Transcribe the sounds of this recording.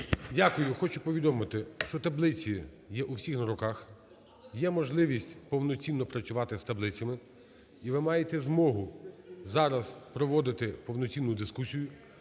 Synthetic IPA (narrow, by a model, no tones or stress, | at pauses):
dʲakʊjʊxɔt͡ʃʊpɔʋʲid̪ɔmɪt̪ɪʃt͡ʃɔt̪ɐblˠɪt͡sʲi | jɛʔuwsʲixnɐɾɔkɑx | jɛmɔʒlˠɪʋʲisʲtʲpɔwnɔt͡sʲinːɔpɾɐt͡sʲʊʋɑt̪ɪst̪ɐblˠɪt͡sʲɐmɪ | iʋɪmɑjet̪ɛzmɔɦʊzɑɾɐzpɾɔʋɔd̪ɪt̪ɪpɔwnɔt͡sʲinːʊd̪ɪskusʲijʊ